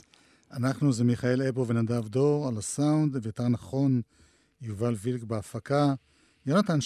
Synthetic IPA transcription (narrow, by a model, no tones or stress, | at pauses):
anaχnuzemiχaelepovenadavdo̞ʁalasaund̪vejoteʁnaχo̞n | juvalvilkbeafaka | jonat̪anʃ